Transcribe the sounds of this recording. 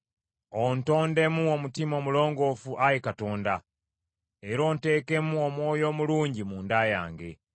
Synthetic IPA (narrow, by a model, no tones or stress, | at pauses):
onto̞ːnde̞muomutimo̞mulo̞ːŋɡo̞fuʔajekato̞ːnda | eɾo̞ːnte̞ːke̞muomwo̞ːjo̞ːmuluːɲɟimuːndaːja̰ːŋɡe̞̰